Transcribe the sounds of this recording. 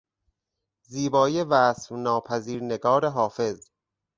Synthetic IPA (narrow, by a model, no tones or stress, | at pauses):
ziːbɒːjevæːsfnɒːpʰæziːɾneɡɒːɾeɦɒːfe̞z